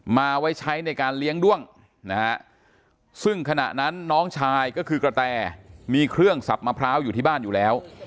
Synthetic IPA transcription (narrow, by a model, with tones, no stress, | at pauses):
maː˧ʔwa˦˥jt͡ɕʰa˦˥jna˧jkaː˧nli˦˥əŋdu˥˩əŋ | na˦˥ha˦˥ | sɯ˥˩ŋkʰa˧na̰˨˩ʔna˦˥nːɔː˦˥ŋt͡ɕʰaː˧jkɔː˥˩kʰɯː˧kɾa˧t̪ɛː˧˩miː˧kʰɾɯ˥˩əŋsa˨˩p̚maː˧pʰɾaː˦˥wjuː˨˩t̪ʰiː˥˩baː˥˩njuː˨˩lɛː˦˥w